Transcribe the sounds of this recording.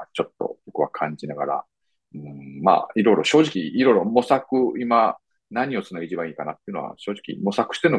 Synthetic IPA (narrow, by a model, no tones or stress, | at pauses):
t͡ɕo̞t̪ːo̰bokɯ̟βakʰãɲd͡ʑinaɡa̰ɾa̰ | ɯ̟̃ɴma̰ːiɾo̞iɾo̞ɕo̞ːʑikʲiiɾo̞iɾo̞mo̞sakɯ̟ima | naɲ̟io̞t͡sɨnaɡeit͡ɕibãiːkanat̪ːeiɯno̞a̰ɕo̞ːʑi̥kʲḭmo̞sakɯ̟̥ɕi̥t̪eɾɯno